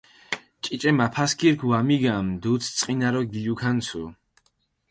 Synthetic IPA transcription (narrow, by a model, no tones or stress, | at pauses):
t͡ʃʼit͡ʃʼɛmapʰaskiɾkʰwamiɡamd̪ut̪sʰt̪sʼqʼinaɾɔɡiʎukʰansʰṵ